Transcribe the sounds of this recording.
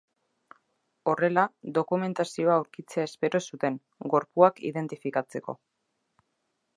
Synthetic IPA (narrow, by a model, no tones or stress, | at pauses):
o̞re̞laðo̞kume̞nt̪asio̞aawɾkit͡seaespe̞ɾo̞sut̪e̞ŋ | ɡo̞ɾpuakḭðe̞nt̪ifikat͡se̞ko̞̰